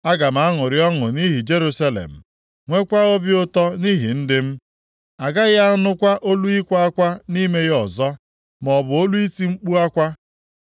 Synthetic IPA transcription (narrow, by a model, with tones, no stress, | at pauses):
a˦ɡa˨m̩a˨˦ŋʊ˨ɾɪ˦ɔ˦ŋʊ˨ni˦ɦi˨d͡ʒe˦ɾu˦sa˦lḛ˨m̩˨ | ŋʷe˦kʷa˦o˦bi˦ʊ˦tɔ˦ni˦ɦi˨n̩˦dɪ˦m̩˦ | a˨ɡa˦ɣa˦nʊ˦kʷa˦ʔo˦lu˦i˦kʷa˦a˦kʷa˦ni˦me˦ɣɔ˨zɔ˦ | m˨ɔ˨bʊ˨o˦lu˦i˦ti˦ŋ͡m̩˦k͡pu˦a˦kʷa˦